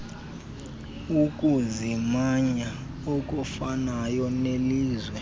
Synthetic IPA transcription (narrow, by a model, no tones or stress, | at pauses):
ukʼuzimaɲa | okʼufanajɔneliːzwɛ